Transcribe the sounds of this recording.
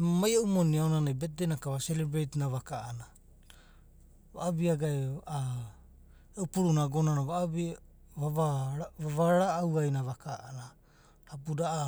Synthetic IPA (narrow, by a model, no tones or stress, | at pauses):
emamajaʔumoniaonanajbet̚denakaβaselebɾetnaβakaʔana | βa̰ʔːbiaɡaea | eupuɾunaɡonanaβaʔbi | βaβaaβaɾaːwajnaβakaʔana | ɾap̬udaʔa